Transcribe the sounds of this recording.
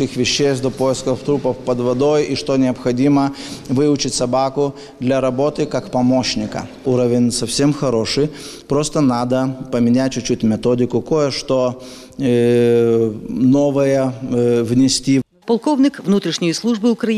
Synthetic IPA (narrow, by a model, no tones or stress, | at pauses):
ɪxvʲɪɕːesʲt̪d̪opojɪskəft̪ɾupəfpəd̪vɐd̪ojiʂt̪onʲɪɐpxɐdʲiməvɨʊt͡ɕɪtʲsɐbakʊ | d̪lʲɐɾɐbo̞t̪ɨkakpɐmoɕnʲɪkə̰ | uɾəvʲɪnʲsɐfsʲemxɐɾoʂɨjpɾost̪ənad̪əpəmʲɪnʲæt̚ʲt͡ɕʊt͡ɕutʲmʲɪt̪odʲɪkʊko̞jəʂt̪o | no̞vəjəvnʲɪsʲt̪ʲi | pɐlˠkovnʲɪkvnut̪ɾʲɪʂnʲɪjəslˠuʐbɨʊkɾɐ